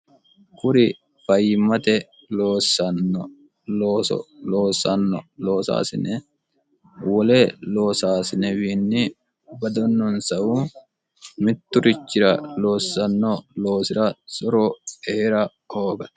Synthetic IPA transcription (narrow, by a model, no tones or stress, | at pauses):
kʊɾɪ | fɐjmɐt̪ɛ | loːsɐnːɔ | loːsɔ̰loːsɐnːɔlo̞ːsa̰ːsɪ̰nɛ | wɔleːloːsaːsɪnɛwiːnːɪ | bɐd̪ɔnːɔnsɐʔuː | mɪt̪ːʊɾɪt͡ʃːɪɾɐlo̞ːsːɐnːoːlo̞ːsɪɾɐsɔɾoːeːɾɐ | hoːɡɐt̪